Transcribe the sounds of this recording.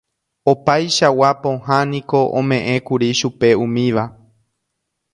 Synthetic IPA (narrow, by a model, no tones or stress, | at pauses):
opajʃawapõ̞ɦãnĩko̞ʔõ̰mẽ̞ʔẽ̞kuɾiʃupe̞ũmĩʋa